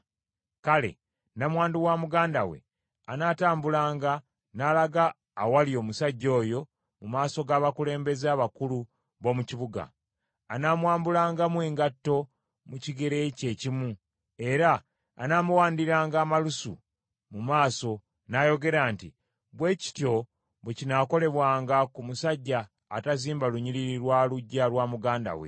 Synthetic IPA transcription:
kale̞̰ | namwaːnduwamuɡaːndawe̞̰ | anaːtaːmbulaːŋɡa | nalaɡaː | walio̞ːmusaɟːo̞ːjo̞ | mumaːso̞ɡaːβakule̞ːmbe̞zeaβakulu | βo̞ːmuciβuɡa̰ː | naːmwaːmbulaːŋɡamweːŋɡatːo̞ | muciɡe̞ɾe̞ce̞ːcimu | e̞ɾa̰ː | naːmuwaːndiɾaːŋɡaːmalusṵ | mumaːso̞ | najo̞ɡe̞ɾaːnti | βwe̞ːci̥tjo̞ | βwecinaːko̞le̞βwaːŋɡakumusaɟːaː | taziːmbaluɲiɾiɾiɾwaːluɟːalwaːmuɡaːnda̰wḛ

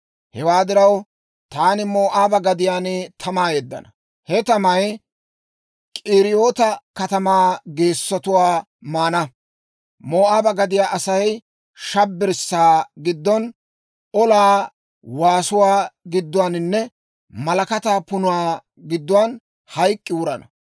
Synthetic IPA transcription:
hɛwaːd̪ɪɾɐw | t̪aːnɪmoːʔaːbɐɡɐd̪ɪjaːnt̪ʰɐmaːjɛd̪ːɐ̰nɐ | hɛt̪ɐmɐj | kʼiːɾɪjo̞ːt̪ɐkɐt̪ɐmaːɡe̞ːsːɔt̪ʊwaː | maːnɐ | moːʔaːbɐɡɐd̪ɪjaːʔɐsɐj | ʃɐbːɪɾsːaːɡɪd̪ːɔn | ɔlaː | waːsʊwaːɡɪd̪ːʊwaːnɪnːɛ | mɐlɐkɐt̪aːpʊnʊwaː | ɡɪd̪ːʊwan | hɐjkʼːɪʊɾɐnɐ

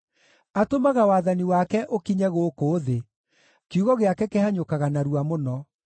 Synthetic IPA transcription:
atomaɣawaːðaniwakɛʔokiɲɛɣokoːðe | keuɣɔɣeakɛkɛhaɲokaɣanaɾuwamonɔ

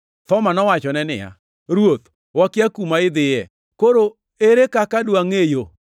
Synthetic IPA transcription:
t̪ɔmanɔwat͡ʃɔnɛnɪ̰ja̰ | ɾwot̪ | wakjakumaɪd̪ɪjɛ | koɾo | eɾekakadwaŋejo

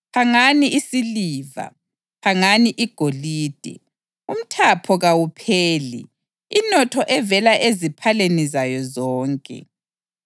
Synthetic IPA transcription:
haŋaniʔisiliːva̰ | haŋaniʔiɡ̥ʱoliːd̥ʱɛ̰ | um̩tʰapʰɔɣawupʰeːlḭ | inɔtʰɔʔɛvɛlaʔezipʰalenizajɔzɔːŋkʼɛ̰

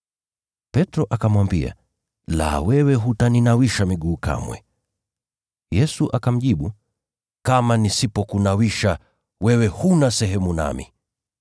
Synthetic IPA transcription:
pɛtɾɔʔakamwambia̰ | la̰wɛwɛɦutaninawiʃamiɠuːka̰mwɛ̰ | jɛsuʔakam̩ʄiɓu | kamanisipɔkunawiʃa | wɛwɛhunasɛɦɛmuna̰mḭ

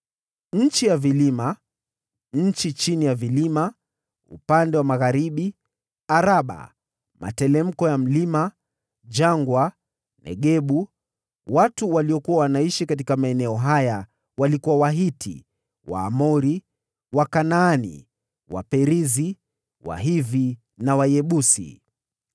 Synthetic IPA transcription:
ɲ̩t͡ʃijavilima | ɲ̩t͡ʃit͡ʃinijavilima | ṵpandɛwamaɣaɾiɓi | aɾaɓa̰ | mʔa̰tɛlɛm̩kɔjam̩lima | d͡ʒaŋɡwa | nɛ̰ɠɛɓu | watuwaliɔkuwawanaiʃikat̬ikamaɛnɛɔɦaja | walikuwawaɦitʰḭ | wa̰ːmɔɾi | wakanaːnḭ | wa̰pɛɾizi | wa̰ɦivi | nawajɛɓusḭ

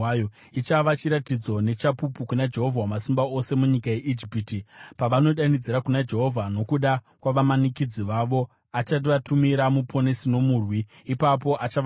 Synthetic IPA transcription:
jo | it͡ʃaʋat͡ʃiɾatid͡zo̞ne̞t͡ʃapupukunad͡ʒe̞ɦo̞vʱawamasimbao̞se̞muɲikaje̞ʔid͡ʒipitipaʋano̞ɗanid͡ziɾakunad͡ʒe̞ɦo̞vʱano̞kuɗa | kwaʋamanikid͡ziʋaʋo̞ | at͡ʃat̬iʋatumiɾamupʰo̞nesino̞muːrwi | ipapo̞ʔat͡ʃaʋ

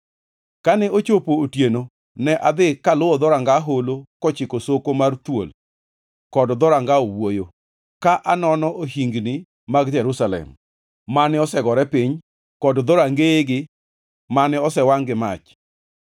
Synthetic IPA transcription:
kanɛot͡ʃopootjeno | nɛʔad̪ɪkalʊɔd̪ɔɾaŋɡaɦolokɔt͡ʃɪkosokomart̪wo̰l | kɔdɔd̪ɔɾaŋɡaowojo | kaʔanɔnɔʔoɦiŋɡni | maɡd͡ʒɛɾusalɛ̰m | manɪɔsɛɡɔɾɛpiɲ | kɔdd̪ɔɾaŋɡeɡɪ | manɪɔsɛwaŋɡɪmat͡ʃ

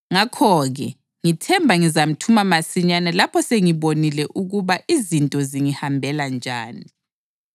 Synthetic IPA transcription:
ŋakʰɔɣɛ | ŋitʰɛmbʱaŋizam̩tʰumamasiɲanɛlapʰɔseŋiβonilɛʔuɣuβaʔizintʼɔziŋihambʱɛland͡ʒʱaːni

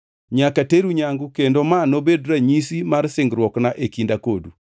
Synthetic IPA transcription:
ɲakateɾuɲaŋɡukendomanobedɾaɲisimaɾsɪŋɡɾwɔknaʔekindakodṵ

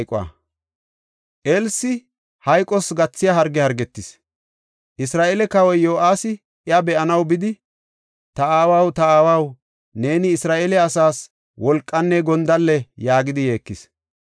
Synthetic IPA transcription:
kʼʊa̰ | ʔelsɪ | hɐjkʼːɔsɡɐt͡sːɪjɐɦɐɾɡɛhɐɾɡɛt̪ːɪs | ʔɪsɾaːʔeːlɛkɐwɔjjoːʔaːsɪ | ɪɐbɛʔɐnɐwbɪd̪ɪ | t̪ɐaːwɐwt̪ɐaːwɐw | ne̞ːnɪːsɾaːʔeːlɛɐsaːs | wɔlkʼːɐnːɛɡɔnd̪ɐlːɛjaːɡɪd̪ɪje̞ːkːɪs

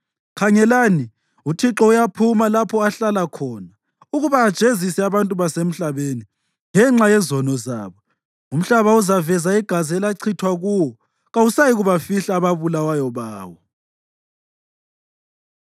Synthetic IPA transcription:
kʰaŋɛlaːni | utʰiǁɔujapʰumalapʰɔaɬalakʰɔːna | uɣuβaːd̥ʒ̥ʱezisɛaβantʼuβasem̩ɬaβeni | ŋɛŋ͡ǁajɛzɔnɔza̰ːβɔ | um̩ɬaβauzavɛzaiɡ̥ʱaziɛlaǀʰitʰwaɣuːwɔ | ɣausajiɣuβafiɬaːβaβulawajɔβaːwɔ

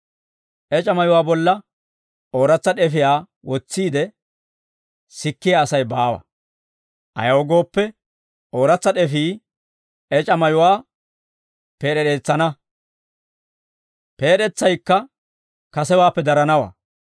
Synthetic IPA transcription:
ʔɛt͡ʃʼɐmɐjʊwaːbɔlːɐ | o̞ːɾɐt͡sːɐɗɛfɪjaː | wɔt͡sːiːd̪ɛ | sɪkːɪjaːsɐjbaːwɐ̰ | ʔɐ̰jɐwɔɡo̞ːpːɛ | o̞ːɾɐt͡sːɐɗɛfiː | ɛt͡ʃʼɐmɐjʊwaː | peːɗɛɗe̞ːt͡sːɐnɐ | pe̞ːɗɛt͡sːɐjkːɐ | kɐsɛwaːpːɛd̪ɐɾɐnɐwa̰ː

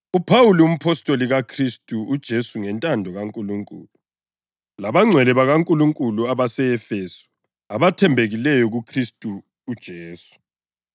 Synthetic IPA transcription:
upʰawulium̩pʰɔstʼoliɣakʰristʼuud̥ʒ̥ʱesuŋɛntʼandʱɔɣaŋkʼuluŋkʼṵːlu | laβaŋ͡ǀʱɛlɛβaɣaŋkʼuluŋkʼuluaβasɛɛfesu̥ | aβatʰɛmbʱeɣilɛjɔɣukʰristʼuː | d̥ʒ̥ʱeːsu̥

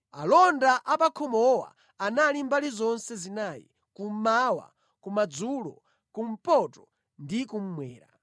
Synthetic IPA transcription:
alɔndaʔapakʰɔmɔwa̰ | analimbalizɔnsɛzinaːjḭ | kum̩mawa̰ | kumad͡zulɔ̰ | kum̩pɔtɔ | ndikum̩mwɛːɾa̰

